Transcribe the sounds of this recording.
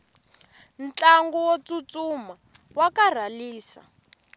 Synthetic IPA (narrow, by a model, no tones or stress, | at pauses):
n̩t͡ɬaŋɡɔwot͡sut͡suma | wakar̤aliːsa̰